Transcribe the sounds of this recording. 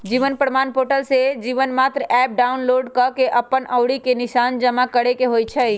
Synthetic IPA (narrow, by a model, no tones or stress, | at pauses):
d͡ʒiʋənpɾəmanpoʈəlsed͡ʒiʋənmat̪ɾəɛp̚ɖaʊnloɖkəkeʔəpːənəwɽikenɪʃand͡ʒəmakəɽekeɦojt͡ʃʰəj